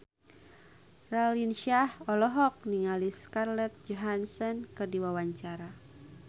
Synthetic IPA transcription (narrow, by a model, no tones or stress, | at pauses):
ralinʃahɔlɔɦɔk̚niŋaliskarlɛt̪̚d͡ʒɔɦansɔnkɨrdiwawaɲt͡ʃaɾa